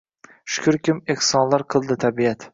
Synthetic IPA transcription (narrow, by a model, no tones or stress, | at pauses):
ʃʊ̥kʲʰʊɾkʲɪmehsɒnlaɾqʰɨlˠd̪ɪt̪ʰabijat̪